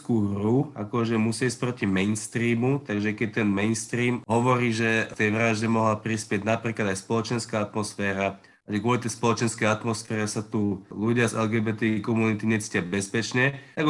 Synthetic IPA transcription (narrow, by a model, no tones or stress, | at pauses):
kuːɦɾua̰kɔʒɛmusɪaiːsc̚ʲpɾɔcimɛjnst̪ɾiːmut̪aɡʒɛkɛt̪ɛnmɛnst̪ɾiːmɦɔʋɔɾiːʒɛt̪ɛjʋɾaʒɟɛmɔɦlapɾispɪɛɟnapɾiːklad̪ajspɔlɔt͡ʃɛnskaːat̪mɔsfɛːɾa | aʒɛkwɔlit̪ɛjspɔlɔt͡ʃɛnskɛjat̪mɔsfɛːɾɛsat̪uluɟɪazɛlɡɛbɛt̪ɛkɔmunit̪iɲɛt͡si̥cɪabɛspɛt͡ʃɲɛt̪aɡ